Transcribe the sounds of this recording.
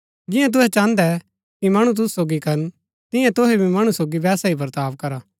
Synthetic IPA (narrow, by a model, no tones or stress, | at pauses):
d͡ʒɪ̃jãt̪̬ʊɦɛt͡ʃãːnd̪ɛ | kimɐɽ̃ũt̪̬ʊssoːɡikɐɾn | t̪ɪ̃jãt̪ʊɦɛbʱimɐɽ̃usoːɡibɛːsaipɐɾt̪aːʋkɐɾaː